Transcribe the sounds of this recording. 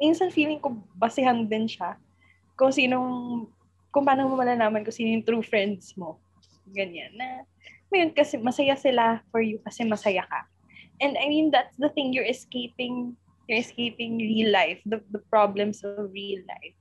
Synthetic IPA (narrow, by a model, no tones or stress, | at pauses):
minsɐnfiːlɪŋkobɐsɪɦɐŋd̪ɪnʃa | kʊŋsiːnoŋ | kʊŋpaːnomɐmɐlanaːmɐnkʊŋsiːnojʊŋt̪ɾuːfɹɛ̃nd̪̚smo | ɡɐɲanːɐ | mɐjonkɐsɛmɐsɐjasɪlafɔɹjʊkɐsɛmɐsɐjakɐ̰ | ʔɛ̃nd̪ɐjmĩnd̪at̪sd̪ɐθɪ̃ŋjɔɹʔɛskeɪpɪ̃ŋ | jɔɹɛskejpɪ̃ŋɹilːajfd̪ɐd̪ɐpɹablɛ̃msɔvɹilːa̰jf